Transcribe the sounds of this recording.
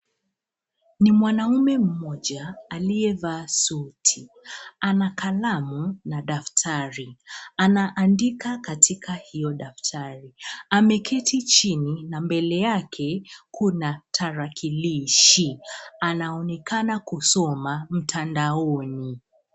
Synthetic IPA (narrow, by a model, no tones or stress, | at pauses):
nimwanaumɛm̩mɔʄaːliɛvasutʰi | anakalamunaɗaftʰaɾianaʔandikakatʰikʰahijɔɗaftʰaɾiamɛkʰɛtit͡ʃininambɛlɛjakʰɛkunatʰaɾakʰiliʃianaɔnɛkanakusɔmam̩tʰandaɔni